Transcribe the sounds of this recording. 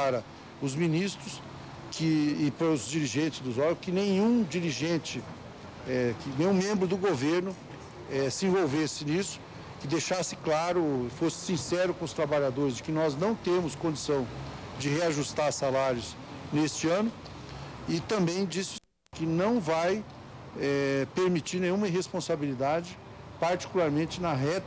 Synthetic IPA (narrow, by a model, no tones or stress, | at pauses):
paɾɐ | ʊzminist̪ɾʊs | kʰɪːpaɾʊzd͡ʒiɾiʒẽnt͡ʃɪzd̪ʊzɔɾʊkɪnẽj̃ũd͡ʒiɾiʒẽnt͡ʃɪ | ɛkɪnẽj̃ũmẽmbɾʊd̪ʊɡoveɾnʊ | ɛsɪẽvowvesɪnisʊ̥ | kɪd̪ejʃasɪ̥klaɾʊɪfosɪ̥sĩsɛɾʊkõʊst̪ɾabaʎad̪oɾɪzd͡ʒɪkɪnɔznɐ̃w̃t̪ẽmʊskõd͡ʒisɐ̃w̃ | d͡ʒɪɦeaʒust̪aɾsalaɾjʊs | nest͡ʃɪɐ̃nʊ | ɪt̪ɐ̃mbẽj̃d͡ʒisɪ̥ | kɪnɐ̃w̃vaj | ɛpeɾmit͡ʃiɾnẽj̃ũmɐɦespõsabilid̪ad͡ʒɪ | paɾt͡ʃi̥kulaɾmẽt͡ʃɪnɐɦɛt̪